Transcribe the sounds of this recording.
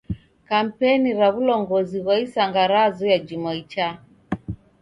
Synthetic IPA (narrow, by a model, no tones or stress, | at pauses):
kam̩pɛniɾaβulɔŋɡɔziβwaisaŋɡaɾazɔjad͡ʒimait͡ʃa